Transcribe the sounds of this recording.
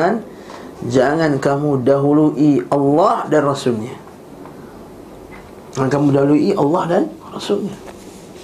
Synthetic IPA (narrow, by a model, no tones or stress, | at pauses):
an | d͡ʒaŋankamudaɦuluʔiɑlːɑhdanrasʊlɲa | d͡ʒaŋankamudaɦuluiʔɑlːɑhdanrɑsulɲa